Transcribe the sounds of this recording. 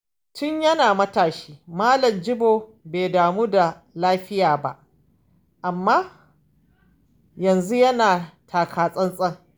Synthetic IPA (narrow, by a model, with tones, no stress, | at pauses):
tʊ˦ɲjɐ˦naː˨mɐ˦taː˨ʃi̥ː˦maː˦lɐ˨md͡ʒɪ˦boː˨beː˨daː˨muː˦da˨ | laː˦ɸɪ˦jaː˨ba̰˦ʔ | ʔa˨mːaː˦ | jɐ˨nzu˦jɐ˦naː˨tʰaː˨kʰaː˨sʼɐ˦nsʼɐ˦ŋ